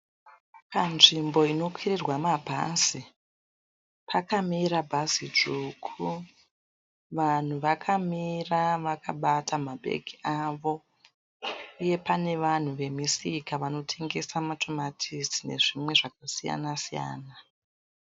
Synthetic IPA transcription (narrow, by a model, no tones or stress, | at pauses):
panʐimbo̞ino̞kwirirwamabʱa̰si | pʰakamiɾabʱazid͡ʒukʰu | ʋan̤uʋakʰamiraʋakaɓatʰamabʱḛɡʱiaʋo̞ | uje̞pane̞ʋan̤uʋe̞misikaʋano̞tʰe̞ŋɡe̞samatʰo̞matʰizine̞̰ʐimwe̞ʐak̚asija̰nasija̰ːna